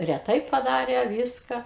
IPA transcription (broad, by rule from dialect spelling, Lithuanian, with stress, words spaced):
rʲɛˈtɐɪ pɐˈdɑːrʲeː ˈʋʲiːskɐ